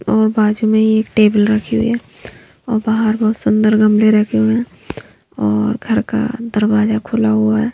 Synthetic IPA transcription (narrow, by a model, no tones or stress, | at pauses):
ɔːɾbaːd͡ʒumẽɦieːkʈeːbəlɾəkʰiɦʊ̰ḭɦɛː | ɔ̰ːɾbaːɦəɾbɔːt̪sʊ̃nd̪əɾɡə̃mɽeɾɛɦkʰeɦuɛ̃ | ɔːɾɡʱəɾka̰d̪əɾwaːzakʰʊlaɦuaɦɛː